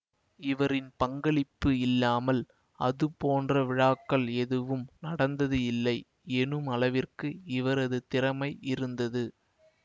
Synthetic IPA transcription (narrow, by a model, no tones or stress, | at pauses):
ɪʋɐɾɪnpɐŋɡɐɭɪpːɯɪlːaːmɐl | ʔɐ̰ðɯpoːndrɐʋɪɻaːkːɐɭɛðɯʋɯmnɐɽɐnd̪ɐðɯɪlːɐɪ | ɛnɯmɐlɐʋɪrkɯɪʋɐɾɐðɯt̪ɪɾɐmɐɪʔɪɾɯnd̪ɐðɯ